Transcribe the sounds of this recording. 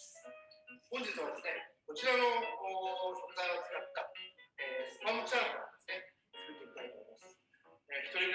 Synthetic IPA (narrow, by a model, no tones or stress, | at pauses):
hõɲ̟d͡ʑitt͡sɨβad̪e̞sɨne̞ko̞t͡ɕiɾano̞ː | sõ̞nzajot͡sɨ̥kat̪ːaeːsɨpamot͡ɕaːnɡa̰d̪̥e̞sɨ̥ne̞ | sɨɯt̪eɲit̪ait̪o̰imasɨ̥ | eçi̥t̪o̞ɾʲiɡ